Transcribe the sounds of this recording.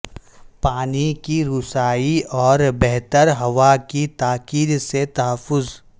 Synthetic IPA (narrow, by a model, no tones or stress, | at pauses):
paːnikiɾʊsaːiɔːɾbɛɦt̪əɾɦɐʋakit̪aːkiːd̪set̪ɐɦəfːʊz